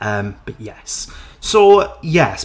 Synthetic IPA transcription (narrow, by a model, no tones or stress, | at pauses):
ʔʌ̃mb̥ʌʔjɛsːoʊjɛs